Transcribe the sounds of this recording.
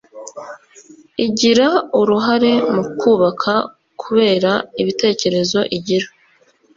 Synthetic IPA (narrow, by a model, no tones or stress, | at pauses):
iɟiɾauɾuɦaɾe̞mukʰuːβakʰa | kʰuβe̞ːɾaiβite̞ːce̞ɾe̞zo̞ʔiɟiɾa